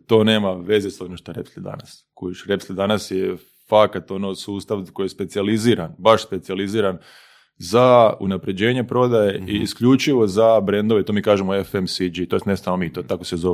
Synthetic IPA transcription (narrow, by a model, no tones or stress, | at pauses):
t̪o̞ːne̞ːmaʋe̞zesonoʃt̪oɾepslʲid̪a̰nas | koiʃɾepslid̪anasje | fakat̪o̞nosuːst̪aʋkoijespe̞t̪sializiɾanbaʃspe̞t̪sializiːɾan | zaṵnapɾe̞d͡ʑe̞ːɲe̞pɾo̞d̪ajeiːskʎut͡ʃiʋo̞zabɾe̞nd̪oʋet̪oːmiːkaːʒemoefemsid͡ʒit̪oenesamomit̪ot̪akosezoʋ